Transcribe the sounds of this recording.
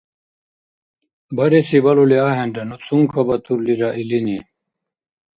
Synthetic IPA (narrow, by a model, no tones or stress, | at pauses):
bɐɾesibɐloleaːɦenɖɐnusuŋkʰɐbɐt̪ʰuɾliɾaʔilini